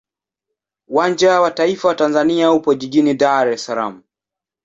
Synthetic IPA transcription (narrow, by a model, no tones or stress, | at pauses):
uwand͡ʒawataifawatanzaniaupɔʄiʄinidaɾɛsalamu